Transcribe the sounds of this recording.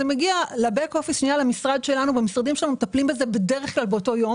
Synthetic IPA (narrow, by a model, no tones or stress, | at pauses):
emeɡialabeko̞fiʃnijalamisʁad̪ʃe̞lanuvemisʁad̪imʃelanumet̪aplimbe̞ze̞be̞deʁeχklalbeo̞to̞jo̞